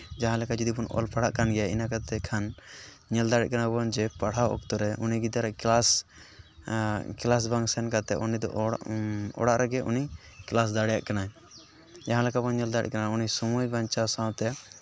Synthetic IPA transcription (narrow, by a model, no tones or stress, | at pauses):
d͡ʒaɦãlɛkad͡ʒɔd̪ipɔnɔ̰lpʰaɽ̤aʔkanɡɛjaḭnakat̪ɛkʰan | ɲɛld̪aɽɛ̰ʔ̚kanabɔnd͡ʒɛpaɽ̤awɔ̰k̚t̪ɔɾɛuniɡid̪aɾɛas | klas̬baŋsɛnkat̪ɛʔunid̪ɔ̰ʔ | ɔ̰ɽaʔɾʔɛɡɛṵniklas̬d̪aɽɛjaʔkanaɛ | d͡ʒaɦãlɛkabɔnɲɛld̪aɽɛ̰ʔ̚kanaunisɔmujbaɲt͡ʃasãwt̪ɛ